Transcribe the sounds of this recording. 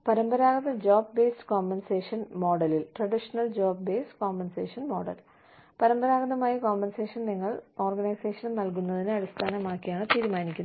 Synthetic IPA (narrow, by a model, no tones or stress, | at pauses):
pɐɾɐmbɐɾaːɡɐðɐd͡ʑoːb̚be̞ːstɨ̥koːmbenseːʂɐnmo̞ːɖɐlilʈrɐɖiʂɐnɐld͡ʑoːb̚beːsko̞ːmbenseːʂɐnmo̞ːɽɐ̰l | pɐɾɐmbɐɾaːɡɐðɐmaːjiko̞ːmbense̞ːʂɐnniŋːɐɭo̞ːrɡɐnɐjse̞ːʂɐnɐmnɐlk̬unːɐðinɨɐɽist̪ʰaːnɐmaːkːijaːɳɨt̪iːɾumaːnikʲːunɐ